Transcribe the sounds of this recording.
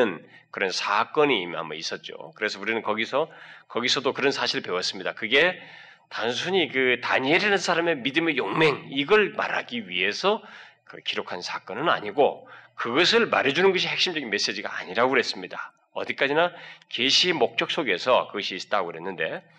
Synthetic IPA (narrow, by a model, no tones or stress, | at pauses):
ɯnkɯɾʌnsʰak͈ʌɲiːma̰mbʌis͈ʌt̚t͡ɕ͈o̰kɯɾe̞sʰʌuɾinɯnkʌɡisʰʌkʌɡisʰʌdokɯɾʌnsʰaɕʰiɾɯɭpe̞wʌs͈ɯmɲidakɯɡe̞ | tansʰuɲikɯtaɲeɾanɯnsʰaɾame̞midɯme̞joŋme̞ŋiɡʌɭma̰ɾɦa̰ɡiɥiɦe̞sʰʌkɯ̰kiɾokʰansʰak͈ʌnɯna̰ɲiɡokɯɡʌsʰɯɭma̰ɾed͡ʑunɯnɡʌɕ̬ʰihe̞k̚ɕ͈imd͡ʑʌɡinme̞s͈e̞d͡ʑiɡa̰a̰ɲiɾaɡoɯɦes͈ɯmɲida | ʌ̰d̪ik͈ad͡ʑinakeɕʰimok̚t͡ɕ͈ʌk̚s͈oɡe̞sʰʌkɯɡʌɕʰiːs͈ʌ̥t͈aɡoɦe̞nːɯnde̞